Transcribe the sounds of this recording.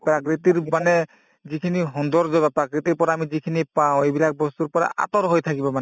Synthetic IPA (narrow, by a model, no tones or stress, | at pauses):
pɾakɹit̪iɹmanɛ | zikʰiniɦɔnd̪ɔɹzɔbapɹakɹit̪iɹpɔɾaːmizikʰinipaʊ̃ejbilak̚ʰbɔst̪uɹpɔɹa̰ʔa̰t̪ɔɾɦojt̪ʰakibɔmanɛ